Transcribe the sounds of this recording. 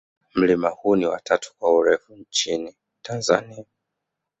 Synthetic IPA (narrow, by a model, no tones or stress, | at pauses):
m̩limahuniwa̰tʰatʰu̥kwauɾɛfuɲt͡ʃini | tʰanza̰nia